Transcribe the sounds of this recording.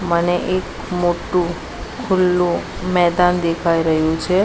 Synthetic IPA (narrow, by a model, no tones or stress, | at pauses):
məneʔek | moʈũ | kʰʊlːũmɛd̪and̪ekʰaiɾəɦjũt͡ʃʰe